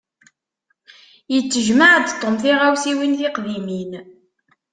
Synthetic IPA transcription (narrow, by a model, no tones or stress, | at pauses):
jət͡sːəʒmaʕd̪t̪ˤːomθiʁawsiwinθɪqðimin